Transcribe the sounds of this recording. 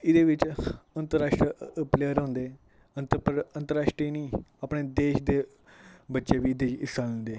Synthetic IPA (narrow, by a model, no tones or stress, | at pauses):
ɪd̪eːʋɪt͡ʃənt̪əɾaːʃʈɾəəpleːəɾɦõnd̪eː | ənt̪əpɾənt̪əɾaːʃʈɾiːnĩːapɳeːd̪eːʃd̪eː | bətːʃeːʋiːɪd̪eːɪsaə̃nd̪eː